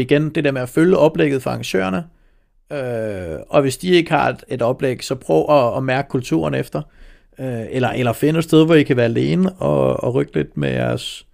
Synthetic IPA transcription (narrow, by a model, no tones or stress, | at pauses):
iɡ̥end̥e̝d̥eɐmeæføljəɒ̽b̥leɡ̥ð̩ˠfɒɑ̈ŋɕø̰ːɐnə | øɒ̽ʋe̝sd̥ie̝ɡ̥əhɑ̥̈e̝d̥ɒ̽b̥leɡ̥sɒ̽pʰʁœʊɒɒmæɐɡ̥ə̥kʰult͡sʰṵːɐnefd̥ɐ | øelɐʔelɐfe̝nəesd̥eð̞ˠʋɒikʰæʋæːɐæle̝ːnəɒɒʁøɡ̥əle̝d̥mejæɐs